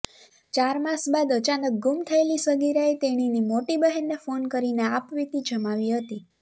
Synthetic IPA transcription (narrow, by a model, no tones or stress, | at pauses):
t͡ʃaɾmasbad̪ət͡ʃanək̚ɡumt̪ʰəelisəɡiɾaet̪eɽ̃inimoʈibəɦɛnːefonkəɾineapʋit̪id͡ʒʱəmaʋiɦət̪i